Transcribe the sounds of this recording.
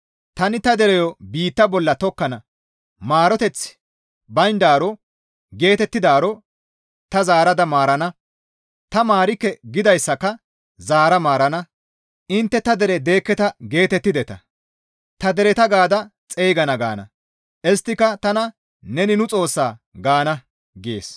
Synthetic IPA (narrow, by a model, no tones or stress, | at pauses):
t̪ɐnɪt̪ɐd̪ɛɾɛjɔbiːt̪ːɐbɔlːɐt̪ɔkːɐnɐ | maːɾɔt̪ɛt͡s | bɐjnd̪aːɾɔ | ɡe̞ːt̪ɛt̪ːɪd̪aːɾɔ | t̪ɐzaːɾɐd̪ɐmaːɾɐnɐ | t̪ɐmaːɾɪkːɛɡɪd̪ɐjsːɐkːɐ | zaːɾɐmaːɾɐnɐ | ʔɪnt̪ːɛt̪ɐd̪ɛɾɛd̪e̞ːkːɛt̪ɐɡe̞ːt̪ɛt̪ːɪd̪ɛt̪ɐ | t̪ɐd̪ɛɾɛt̪ɐɡaːd̪ɐt͡sʼeːɡɐnɐɡa̰ːnɐ̰ | ʔɛst̪ːɪkːɐt̪ɐnɐ | nɛnɪnʊt͡sʼo̞ːsːaːɡaːnɐ | ɡḛːs